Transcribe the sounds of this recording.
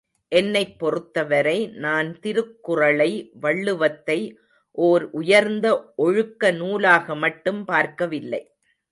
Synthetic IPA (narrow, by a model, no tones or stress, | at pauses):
ʔɛnːɐɪpːɔrɯt̪ːɐʋɐɾɐɪnaːnt̪ɪɾɯkːʊrɐɭɐɪʋɐɭːɯʋɐt̪ːɐɪ | ʔoːɾʔʊjɐɾnd̪ɐʔɔɻɯkːɐnuːlaːɣɐmɐʈːɯmpaːɾkɐʋɪlːɐ̰ɪ